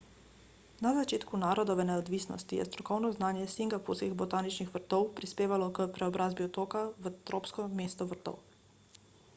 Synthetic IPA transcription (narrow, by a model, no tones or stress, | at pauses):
nazat͡ʃeːt̪kunaːɾɔd̪ɔʋɛnɛɔd̪ʋiːsnɔ̰st̪ijɛ̰st̪ɾɔkɔwnɔznaːnjɛsiŋɡapuɾskiɣbɔt̪aːnit͡ʃnixʋəɾt̪ɔwpɾispeːʋalɔkəpɾɛɔbɾʔaːzbiɔt̪oːkaʋət̪ɾoːpskɔmeːst̪ɔʋəɾt̪ɔ̰w